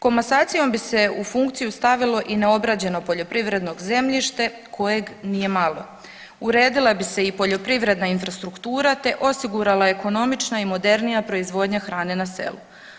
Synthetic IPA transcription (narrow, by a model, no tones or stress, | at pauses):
ko̞masaːt̪sijo̞mbise̞ufuŋkt̪sijust̪aʋilˠo̞ʔine̞o̞bɾad͡ʑe̞no̞po̞ʎo̞pɾiʋɾe̞d̪no̞ɡze̞mʎiʃt̪e̞ | kʰo̞je̞ɡnije̞malˠo̞ | uɾe̞ːd̪ilˠabise̞ipo̞ʎo̞pɾiʋɾe̞d̪nainfɾast̪ɾukt̪uːɾat̪e̞ʔo̞siɡuɾalˠae̞ko̞no̞mit͡ʃnaimo̞d̪e̞ɾnijapɾo̞izʋo̞ːd̪ɲaxɾaːne̞nase̞̰lṵ